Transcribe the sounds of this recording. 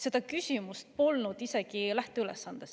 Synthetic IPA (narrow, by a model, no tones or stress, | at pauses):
se̞d̪̥ɑkysʲimust̪̚po̞lnud̪̥ise̞ɡ̥ilæht̪eylesːɑnd̪̥es